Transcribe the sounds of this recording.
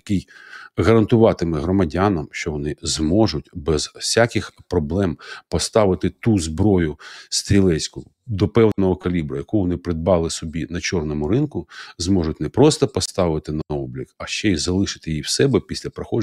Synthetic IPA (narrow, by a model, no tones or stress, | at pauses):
jɐkijɣɐɾɐnt̪ʊʋɑt̪ɪmɛɦɾɔmɐdʲanɐmʃt͡ʃɔʋɔnɪzmɔʒʊt̚ʲbɛz̥sʲakɪxpɾɔblˠɛmpɔst̪ɑʋɪt̪ɪt̪uzbɾɔjʊst̪ɾʲilˠɛsʲkʊ | d̪ɔpɛwnɔɦɔkɐlʲibɾʊjɐkʊʋɔnɪpɾɪd̪̚bɑlˠɪsɔbʲinɐt͡ʃɔrnɔmʊɾɪnkʊzmɔʐʊtʲnɛpɾɔst̪ɔpɔst̪ɑʋɪt̪ɪnɐɔblʲikɐʃt͡ʃɛizɐlˠɪʃɪ̥t̪ɪjiwsɛbɛpʲisʲlʲɐpɾɐxɔd͡ʒ